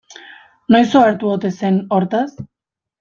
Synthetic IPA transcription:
nojsoeɾt̪uot̪e̞se̞no̞ɾt̪as

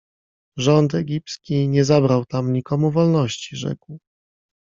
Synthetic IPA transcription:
ʐɔnt̪ɛɡʲipskʲiɲɛzabɾawt̪amɲikɔmuvɔlnɔɕt͡ɕiʐɛ̰kw

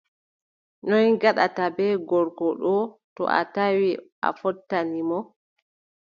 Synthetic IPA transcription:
nɔjɡaɗatabɛɡɔɾɡɔɗɔtɔ̰ʔa̰tawiʔa̰fɔtːanimɔ

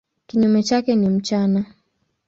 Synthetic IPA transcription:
kiɲumɛt͡ʃakɛnim̩t͡ʃana

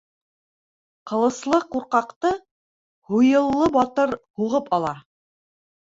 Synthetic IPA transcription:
qɤ̆lˠɤ̆slˠɤquɾqɑqt̪ɤ | hujɤ̆lˠːɤbɒt̪ɤɾhuʁɤpɑlˠɑ

